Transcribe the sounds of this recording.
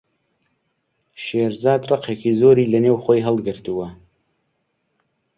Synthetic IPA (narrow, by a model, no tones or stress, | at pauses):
ʃeːɾzɑːd̪rɨqʰeːkizoːɾiːlɐneːwxʷojɦəlˠɡɨɾt̪uwɐ